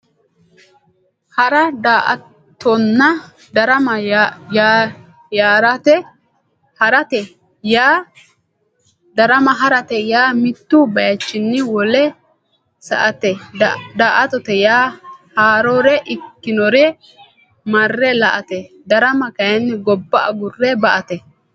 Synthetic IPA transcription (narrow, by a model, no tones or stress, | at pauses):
hɐɾɐd̪aʔɐ | t̪ːɔnːɐ | d̪ɐɾɐmɐj | jaːɾɐt̪ɛ | hɐɾɐt̪ɛ | jaː | d̪ɐɾɐmɐɦɐɾɐt̪ɛjaːmɪt̪ːʊbɐjɐt͡ʃːɪnːɪwɔlɛ | sɐ̰ʔɐt̪ɛd̪aːʔɐt̪ɔt̪ɛjaːhaːɾoɾɛʔɪkːɪnɔɾɛ | mɐrːɛlɐʔɐt̪ɛ | d̪ɐɾɐmɐkɐjɐnːɪɡɔbːɐʔɐ̰ɡʊrːɛbɐʔɐt̪ɛ